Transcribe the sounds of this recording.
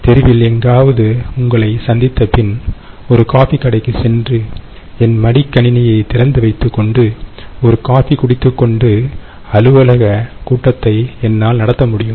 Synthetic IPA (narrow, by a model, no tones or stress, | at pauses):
t̪ɛɾɪʋɪlɛŋɡaːʋɐðɯʊŋɡɐɭɐɪsɐnd̪ɪt̪ːɐpɪn | ɔɾɯkaːfikːɐɽɐɪkːɯsɛndrɯ | ɛnmɐɽɪkːɐɳɪnɐjɐɪt̪ɪɾɐnd̪ɯʋɐɪt̪ːɯkːɔɳɖɯɔɾɯkaːfikʊɽɪt̪ːɯkːɔɳɖɯ | ɐlɯʋɐlɐɣɐkuːʈːɐt̪ːɐɪɛnːaːlnɐɽɐt̪ːɐmʊɽɪjɯm